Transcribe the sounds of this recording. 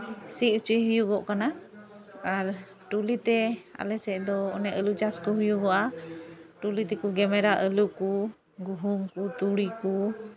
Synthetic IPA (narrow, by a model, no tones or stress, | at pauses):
siʔut͡ʃuiɦujuɡɔʔkana | aɾ | ʈulit̪ɛa̰lɛsɛʔd̪ɔːnɛʔəlud͡ʒaskuɦujuɡɔʔa | ʈulit̪ɛkuɡɛmɛɾaʔəluku | ɡuɦuŋkut̪uɽiku